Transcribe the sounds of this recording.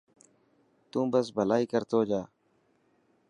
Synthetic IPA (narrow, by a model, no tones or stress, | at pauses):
t̪ũːbəsbʱəlaːiːkəɾt̪oːd͡ʒaː